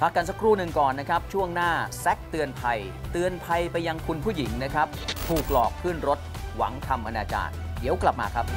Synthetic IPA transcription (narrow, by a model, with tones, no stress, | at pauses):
pʰa˦˥kːa˧ns̬a˧˥kʰɾuː˥˩nɯ˨˧ŋkɔː˨˩nːa˦˥kʰa˦˥p̚t͡ɕʰu˥˩əŋnaː˥˩sɛ˦˥k̚t̪ɯ˧ənpʰa˧j | t̪ɯ˧ənpʰa˧jpa˧ja˧ŋkʰu˧npʰuː˥˩ji˩˦ŋna˦˥kʰɾa˦˥p̚t̪ʰuː˨˩k̚lɔː˨˩k̚pʰɯː˥˩nɾo˦˥t̪̚wa̰˩˦ŋt̪ʰa˧mʔa˧naː˧t͡ɕa̰ː˨˩n̚di˩˦əwkla˨˩p̚maː˧kʰa˦˥p̚